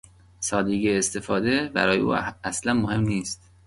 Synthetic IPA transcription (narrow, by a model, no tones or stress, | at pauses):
sɒːd̪eɡeːst̪e̞fɒːd̪ebæ̰ɾɒːjeʔṵːæslænmohe̞mniːst̪